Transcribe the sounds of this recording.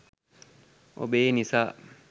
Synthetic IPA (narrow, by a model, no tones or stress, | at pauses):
o̰benisa